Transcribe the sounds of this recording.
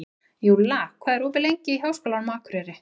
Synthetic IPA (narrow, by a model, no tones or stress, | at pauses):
julaːkʰvaːðɛɾɔːvɪlejɲcɪiɦaːwskoːlanmaːkɾɛɾɪ